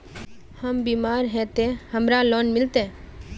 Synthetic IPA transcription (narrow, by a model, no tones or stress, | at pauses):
həmbiːmaːɾɦɛt̪ehəmɾaloːnmɪlt̪ẽː